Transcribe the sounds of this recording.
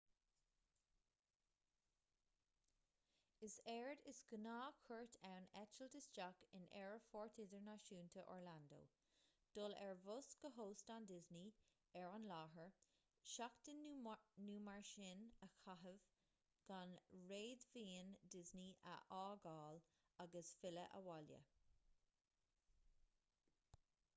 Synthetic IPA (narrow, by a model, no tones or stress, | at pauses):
ɪsɛɹdɪsɡ̥ənaːkʰəɹtʰawnɛt͡ʃəldɪsd͡ʒakɪ̰nɛ̰ɹəfɔːɹtʰɪdəɹnaʃuːnt̪ʰəʔɔ̰ɹlando̰ː | d̥ʊlɛɹvʊsɡ̥əɦoːstandɪzni | ɛɹanlɑːɦəɹ | ʃakt̪ənuːmaɹʃɪnəxʰaɦəv | ɡ̥anɹeːdviːndɪzniʔə̰ʔaːɡɑːl | aɡəsfɪləʔə̰waljə̰